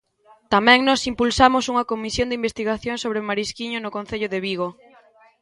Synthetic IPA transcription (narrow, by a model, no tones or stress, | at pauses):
t̪amɛ̃ŋnɔsimpulsamʊsuŋɐkomisjond̪imbest̪iɣaθjoŋsoβɾemaɾiskiɲʊnʊkõn̟θeʎʊðeβiɣo